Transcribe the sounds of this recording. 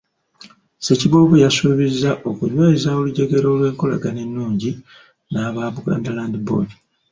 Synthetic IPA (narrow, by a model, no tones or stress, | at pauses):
se̞ciβoːβujasuːβizːaʔo̞kuɲwe̞ːzao̞luɟe̞ɡe̞ɾo̞ːlwe̞ːŋko̞la̰ɡane̞nːuːɲɟi | naːβaβuɡa̰ːndalaːndibo̰di